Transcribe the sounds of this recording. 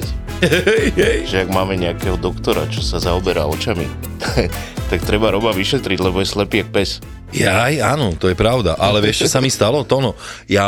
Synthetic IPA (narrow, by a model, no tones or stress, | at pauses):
jɛjʒɛaɡmaːmɛɲɛakɛːɦɔd̪ɔkt̪ɔɾa̰t͡ʃɔsazaɔbɛɾa̰ɔt͡ʃamḭ | t̪t̪akt̪ɾɛbaɾɔbaʋiʃɛt̪ɾiɟlɛbɔjɛslɛpiːak̚pɛs | jajanɔt̪ɔjɛpɾaʊd̪a̰ʔalɛʋɛʃt͡ʃɔsamist̪alɔt̪ɔnɔ | ja